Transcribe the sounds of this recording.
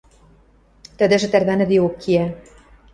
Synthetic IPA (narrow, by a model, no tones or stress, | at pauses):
t̪ə̆d̪ɘ̆ʒɘ̆t̪ærβænɘ̆d̪eokʰːiæ